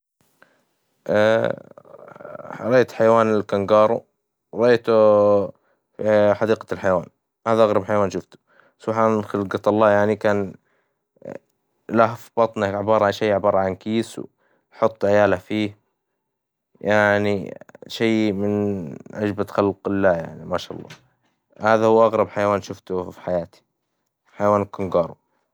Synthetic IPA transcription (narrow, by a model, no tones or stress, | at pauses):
ʔa | ɾɑʔeːt̪ħajawaːnɪlkaŋɡɑːɾˤu | ɾˤɑʔeːt̪u | ħɑd̪iːqalħajawa̰ːn | haːðaʔaɣɾˤɑbħajawaːnʃʊft̪u̥ | sˤuħaxɪlɡɑt̪ɑlˤːɑːjaʕnikaːn | lahfib̥ɑt̪ˤnaʕɪbɑːɾˤɑʕanʃeːʕɪbɑːɾˤɑʕankiːsw | ħʊt̪ˤːʕɪjaːlafiː | jaʕniʃejmɪnʔad͡ʒbaxalqɪlːaːja̰ʕnimaʃa̰ːʔɑ̰lˤːɑ̰ː | haːðahuːʔaɣɾˤɑbħajawaːnʃʊft̪ʊfi̥ħajaːt̪i̥ | ħajawaːnkʊŋɡɑːɾˤu